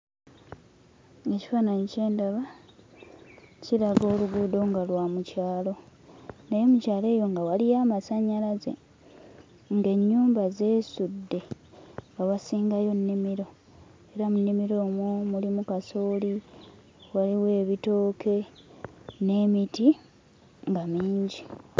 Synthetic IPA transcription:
e̞ci̥fanaɲice̞ːndaβa | ciɾaɡo̞ːluɡuːdo̞ŋɡalwamucaːlo̞najemucaːle̞ːjo̞ŋɡawalijaːmasaɲalaze̞̰ | ŋɡe̞ɲːuːmbaze̞ːsudːe̞ | ŋɡawasiːŋɡajo̞nːimiɾo̞ | e̞ɾamunːimiɾo̞ːmwomulimukaso̞ːli | waliwe̞ːβito̞ːkʰe̞ | ne̞ːmiti | ŋɡamiːɲɟi

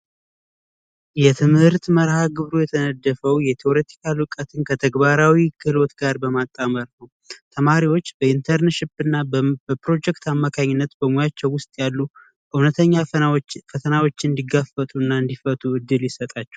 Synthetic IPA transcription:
jɛt̪ʰɨmhɨɾt̪məɾhaɡɨβɾojɛt̪ʰənəd̪ːəfəwjɛt̪ʰio̞ɾe̞t̪ʰi̥kʰalɨkʼət̪ʰɨnkʰət̪ʰəɡbaɾawikʰɨlo̞t̪ɡaɾbəmat̪ʼːaməɾnəw | t̪ʰəmaɾiwo̞t͡ʃːbəint̪ʰəɾnʃɪpɨnːabəpɾo̞d͡ʒɛkt̪amːakʰaɲːɪnːət̪bəmojat͡ʃːɛwwʊst̪ʼjalːu | ʔɨwnət̪ʰəɲːafət̪ʰənawo̞t͡ʃːɨnd̪iɡafət̪ʼuɨnːaɨnd̪ifət̪ʼuɨd̪ːɨljɪsət̪ʼat͡ʃːɛ̥w

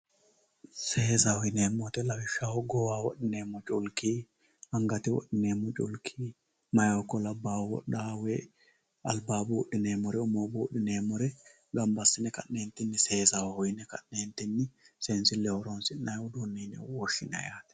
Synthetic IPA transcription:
se̞ːzɐhɔjneːmːɔt̪ɛlɐbɪʃːawɔɡɔwaːwɔɗɪneːmːɔt͡ʃʼʊlki | hɐŋɡɐt̪ɪwɔ̰ɗɪneːmːɔt͡ʃʼʊ̰lkʰiː | mɐjɐwɔkːɔlɐbːaːwwɔ̰ɗaːwɛ | ɐ̰lbaːbuːɗɪneːmɔɾɛʊmoːbuːɗːɪneːmɔɾɛ | ɡɐmbɐsːɪnɛkɐ̰ʔne̞ːnt̪ːɪnːɪse̞ːzɐwhɔjnɛkɐ̰ʔne̞ːnt̪ːɪnːɪsensɪlɛhɔɾonsɪnnːɐjwʊd̪uːnːeːnɛ̰wɔʃːɪnɐ̰jaːt̪ɛ̥

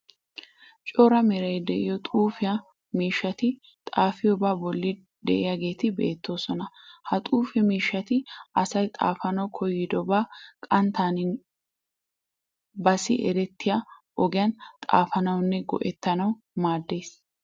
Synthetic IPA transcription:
t͡ʃʼɔɾɐmɛɾɐjd̪ɛʔɪjɔt̪ʼuːfɪjɐ | miːʃːɐt̪ɪ | t̪ʼaːfɪjɔbaːbɔlːɪ | d̪ɛ̰ʔɪjɐɡe̞ːt̪ɪbḛːt̪ːo̞ːsɔnɐhɐt̪ʼuːfɛmiːʃːɐt̪ɪɐsɐjt̪ʼa̰ːfɐnɐwkʰɔjːɪd̪ɔbaːkʼɐnt̪aːnɪ | bɐsɪʔɛ̰ɾɛt̪ːɪjaʔɔɡɪjɐnt̪ʼa̰ːfɐnɐwnːɛɡɔ̰ʔɛt̪ːɐnɐw | maːd̪ːe̞ːs

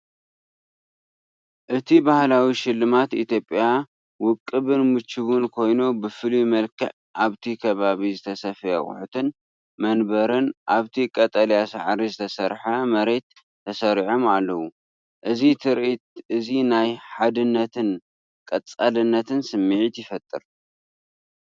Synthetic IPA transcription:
ʔɨt̪ʰibahlawiʃɪlːɨmat̪it̪ʰjo̞pʼja | wʊkʼːɨβɨnmɨt͡ʃːɨβunkʰo̞jnubɨfɨlimɐlkʰɐ̰ʕ | ʔaβt̪ʰikʰɐβaβizɨt̪ʰɐsɐfɐjɐ̰χʼʊ̰ħut̪ʰɨn | mɐnbɐɾɨnʔaβt̪ʰikʼɐt̪ʼɐljasa̰ʕɾizɨt̪ʰɐsɐɾħɐmɐɾe̞t̪ʰː | ɐsɐɾiʕomalːɐwu | ʔɨzit̪ʰɨɾʔit̪ʔɨzinajħad̪ɨnːɐt̪ʰɨn | kʼɐt͡sʼalɨnːɐt̪ʰɨnsɨmːɨʕit̪jɪfɐt̪ʼːɨɾ

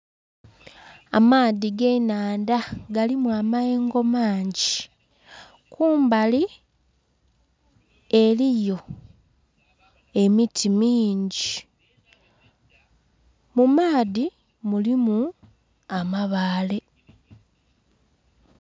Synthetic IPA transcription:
a̰maːðiɡe̞naːndaɡalimwaːmae̞ːŋɡo̞maːɲɟi | kʰuːmbali | elijo̞ | e̞mitʰimiːɲɟi | mumaːði | mulimu | amaβaːle̞

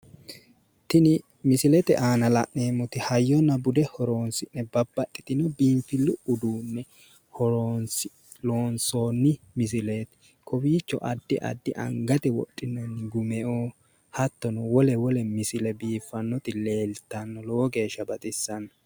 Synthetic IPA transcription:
t̪ɪnɪ | mɪsɪlɛt̪ɛ̰ʔaːnɐlɐ̰ʔneːmːɔt̪ɪhɐjːɔnɐbʊd̪ɛhɔɾo̞ːnsɪnːɛbɐbːɐt̪ʼːɪ̥t̪ɪnɔbiːmfɪlʊʔʊd̪uːnːɛ | hɔɾoːnsɪ | loːnsoːnːɪ | mɪs̬ɪleːt̪ɛ̥ | kʰɔbiːt͡ʃːɔ̰ʔɐd̪ːɪʔɐ̰d̪ːɪʔɐ̰ŋɡɐt̪ɛwɔ̰tʼːɪnːɐnːɪɡʊmɛʔoː | hɐt̪ːɔnʊwɔlɛwɔlɛmɪsɪlɛbiːfːɐnːɔt̪ɪle̞ːlt̪ːɐnːɔloːɡe̞ːʃːɐbɐt̪ʼɪsːɐnɐ

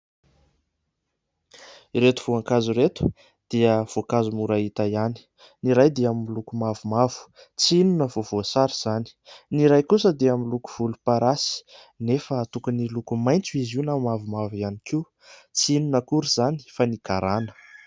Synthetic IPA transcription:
iɾet̪uv̥uaŋkazuɾet̪u̥ | d̪̥iəv̥okazumuɾaɦit̪ajani̥ | niɾajd̪eamimilukumavumavu̥ | t͡siinunəvovoasaɾiz̥ani̥niɾajkusəd̪eamiluku̥v̥ulupaɾasi̥ | nefət̪ukənilukumajnt͡suiziunamavumavianiki | t͡siinunəkuɾiz̥ani̥fanikaɾanə̥

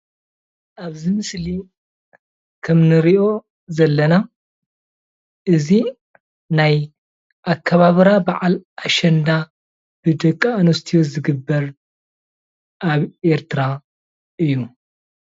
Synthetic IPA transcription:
ʔaβzimɨsli | kʰɐmnɨɾiʔo̞ | zɐlːɐna | ʔɨzi | naj | ʔakʰːɐβaβɾabaʕalʔaʃɐnd̪a | b̥ɨd̪ɐkʼːaanost̪ʰiozɨɡɨbːɐɾ | ʔaβʔe̞ɾt̪ʰɨɾa | ʔɨjːu

